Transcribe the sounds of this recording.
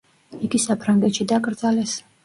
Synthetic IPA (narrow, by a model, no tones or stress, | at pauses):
iɡisapʰɾaŋɡɛt̪ʃid̪aɡʼɾd̪zalɛs